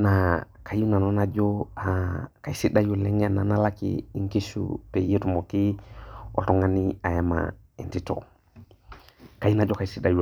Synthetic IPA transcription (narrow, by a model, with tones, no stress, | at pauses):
na˨ | ka˨ju˦na˨nɔ˦na˦d͡ʒo˦a˨ka˨i˨si˦da˦ju˨lɛ˦ŋ˦a˦˨na˨na˦la˦kḭ˨i˦ŋki˦sṵ˨pe˨je˦tu˨mo˨ki˦ɔ̰˨tɔ˦ŋa˦ni˦a˨jɛ˦ma̰˨ | i˨nti˦tɔ̰˨ | ka˨ji˦na˨d͡ʒɔ˦ka˨i˨si˦da˦ju˨